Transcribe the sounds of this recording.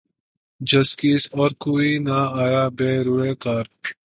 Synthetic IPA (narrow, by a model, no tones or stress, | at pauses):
d͡ʒɐskisɔːɾkuːinaaːjaːbeːɾuekaːɾ